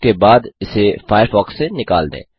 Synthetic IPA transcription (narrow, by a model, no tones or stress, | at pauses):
kebaːd̪ɪsefaːɪjəɾfɔːksːenɪka̰ːld̪ḛ̃ː